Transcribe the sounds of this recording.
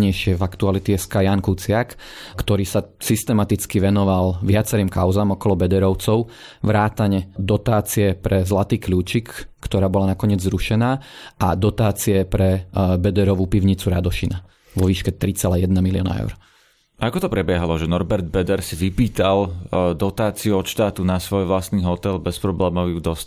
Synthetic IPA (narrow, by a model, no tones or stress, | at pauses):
ɲɛjʃɪɛvakt̪ualit̪ɛɛskajaŋkut͡sɪak | kt̪ɔɾiːsasist̪ɛmat̪it͡skiʋɛnɔʋalʋɪat͡sɛɾiːmkaʊzaːmɔkɔlɔbɛd̪ɛɾɔʊt͡sɔʊ | ʋɾaːt̪aɲɛd̪ɔt̪aːt͡siɛpɾɛzlat̪iːkʎuːt͡ʃikːt̪ɔɾaːbɔlanakɔɲɪɛd͡zzɾuʃɛnaːad̪ɔt̪aːt͡siɛpɾɛbɛd̪ɛɾɔʋupiʊɲit͡suɾa̰d̪ɔʃina | ʋɔʋiːʃkɛt̪ɾit͡sɛlajɛd̪namiliɔna̰ɛ̰ʊɾ | akɔt̪ɔpɾɛbɪɛɦalɔʒɛnɔɾbɛɾd̪̚bɛd̪ɛɾsiʋipiːt̪ald̪ɔt̪aːt͡siuɔt̪ʃt̪aːt̪unasʋɔjʋlast̪niːɦɔt̪ɛlbɛspɾɔblɛːmɔʋjud̪ɔsc